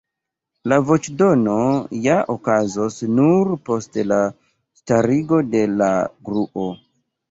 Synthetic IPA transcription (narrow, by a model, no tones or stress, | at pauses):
lavo̞t͡ʃdo̞no̞jaʔokazosnuɾpo̞stela | staɾiɡo̞de̞la̰ɡɾuʔo̞